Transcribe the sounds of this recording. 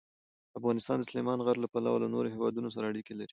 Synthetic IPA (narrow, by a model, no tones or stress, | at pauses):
afɣɑnɪst̪ɑnd̪əsʊlemɑnɣaɾlapala̰walanoɾoɦewɑd̪unos̬aɾaːɽikelaɾi